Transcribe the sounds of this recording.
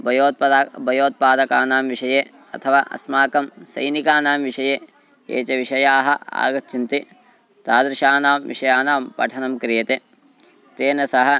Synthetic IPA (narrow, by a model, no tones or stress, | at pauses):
bʱɐjoːt̪̚ɐabɐjoːt̪̚paːd̪ɐkaːnaːmʋiʃɐjeː | ɐ̰t̪ʰɐʋa̰ːʔɐ̰smaːkɐmsɐ̰jnikaːnaːmʋiʂɐjeː | ḛːt͡ʃɐʋiʂɐjaːɦɐ̆a̰ːɡɐt͡ʃint̪i | t̪aːd̪ɾɪʃaːnaːmʋḭʂɐjaːnaːmpɐ̰ʈʰɐnɐmkɾijɐt̪e | t̪eːnɐsɐɦɐ̆